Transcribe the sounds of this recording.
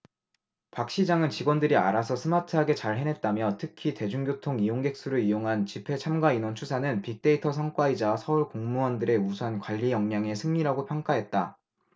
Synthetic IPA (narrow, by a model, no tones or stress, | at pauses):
pak̚ɕ͈id͡ʑaŋɯnt͡ɕiɡwʌndɯɾia̰ɾasʰʌsʰɯmatʰɯɦaɡe̞t͡ɕaɭɦe̞nɦe̞t̚t͈amjʌtʰɯkʰite̞d͡ʑuŋɡjotʰoŋijoŋɡe̞k̚s͈uɾɯɭijoŋɦant͡ɕipʰe̞t͡ɕʰamɡainwʌnt͡ɕʰusʰanɯnpik̚t͈e̞itʰʌsʰaŋk͈waid͡ʑasʰʌuɭkoŋmuwʌndɯɾe̞usʰʌnkwaʎːijʌŋɲaŋe̞sʰɯŋɲiɾaɡopʰjʌŋk͈aɦe̞t̚t͈a